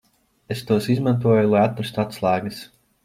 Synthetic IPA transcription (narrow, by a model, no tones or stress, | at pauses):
est̪uɔsizmãnt̪uɔjulˠajat̪ːɾast̪uat̪slˠaːɡɨs